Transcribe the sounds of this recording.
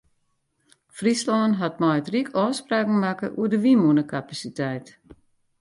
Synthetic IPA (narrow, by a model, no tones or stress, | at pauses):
frislɔnɦat̚mɔjtrikʰɔːspraːkŋ̩makəʔṵədəʋimunəkʰapasitɛjt